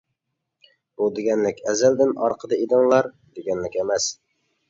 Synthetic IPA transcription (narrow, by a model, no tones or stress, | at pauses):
bud̪ɪɡʲænlɪkʲæzæld̪ɪnʔɑ̰ɾqʰəd̪ɑid̪ɪŋlˠɑɾ | d̪ɪɡʲænlɪkʲæmæs